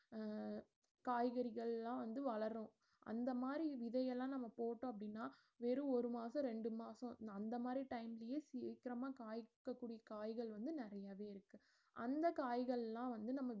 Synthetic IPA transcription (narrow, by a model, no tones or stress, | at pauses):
kaːjɣɐɾɪɣɐɭlːãːʋɐnd̪ɯʋɐɭɐɾõ | ʔɐ̰nd̪ɐmaːd̪ɾiʋɪðɐjɛlːãːnɐmːɐpoːʈːõːɐpːɐɽɪnːaː | ʋeːɾɯ̃ɔɾɯmaːsɐ̃ɾɛɳɖɯmaːsɔ̃ɐnd̪ɐmaːd̪ɾiʈɐɪmɪlɪjeːsiːkɪɾɐmaːkaːjkːɐkːuːɽɪjɐkaːjɣɐɭʋɐnd̪ɯnɪɾɐjaːʋeːɪɾɯkːɯ | ʔɐnd̪ɐkaːjɣɐɭlːãːʋɐnd̪ɯnɐmːɐ